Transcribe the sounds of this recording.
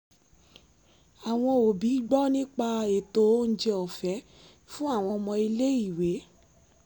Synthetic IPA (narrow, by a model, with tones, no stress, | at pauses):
a˨w̃ɔ̃˧o˨bi˨˦ɡ͡bɔ˦nĩ˦k͡pa˧e˨to˨˦n̩˦d͡ʒe˧ɔ˨fɛ˨˦ | fũ˦a˦˨w̃ɔ̃˧mɔ̃˧i˧le˦i˦˨we˨˦